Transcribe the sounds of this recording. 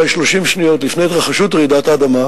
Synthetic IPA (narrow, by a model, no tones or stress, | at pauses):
ʃlo̞ʃimʃnijo̞tlifnejt̪ʁaχaʃutʁidataaːdama